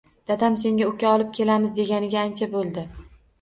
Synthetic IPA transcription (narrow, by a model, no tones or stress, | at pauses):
d̪̥ad̪amse̞ŋɡʲaokʲaɒlˠɪp̚kʲʰe̞lamɪzd̪e̞ɡʲanɪɡʲaːnt͡ʃʰabolˠd̪ɪ